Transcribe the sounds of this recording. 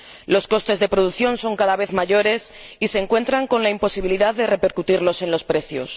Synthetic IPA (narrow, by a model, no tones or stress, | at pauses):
lo̞sko̞st̪e̞zðe̞pɾoð̞uθjo̞nso̞ŋkaðaβ̞e̞θmaʝo̞ɾe̞sise̞ŋkwe̞nt̪ɾaŋko̞nlaimpo̞siβiliðaððe̞re̞pe̞ɾkut̪iɾlo̞se̞nlo̞spɾe̞θjo̰s